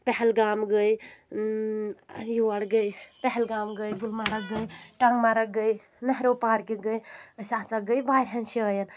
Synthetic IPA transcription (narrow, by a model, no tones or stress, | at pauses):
pɛɦɛlɡaːmɡəj | juaɽɡəjpɛɦɛlɡaːmɡəjɡulmaɾəkɡəjʈaŋmaɾəɡəj | nəɦɾopaːɾkeɡəjəsasaɡəjbajɾɦenʃiəjən